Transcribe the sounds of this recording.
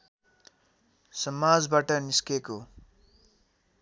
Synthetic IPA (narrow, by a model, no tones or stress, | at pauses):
sʌmad͡zbaʈʌniskeko